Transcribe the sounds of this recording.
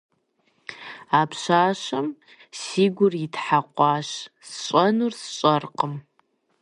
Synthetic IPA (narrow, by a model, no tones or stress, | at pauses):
aːpʰɕaːʃɐm | siːɡʷʊrjɪtħaqʷɑːʃsɕʼɐnursɕʼɐrqəm